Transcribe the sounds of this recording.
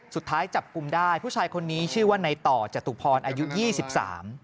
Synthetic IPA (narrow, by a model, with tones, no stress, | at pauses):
su˨˩t̪ʰːaː˦˥jt͡ɕa˨˩p̚ku˧mdaː˥˩jpʰuː˥˩aː˧jkʰo˧nːiː˦˥t͡ɕʰɯː˥˩waː˥˩na˧jt̪ɔː˨˩t͡ɕa˨˩t̪u˨˩pʰɔː˧nʔaː˧ju˦˥jiː˥˩si˨˩p̚sa̰ː˩˦m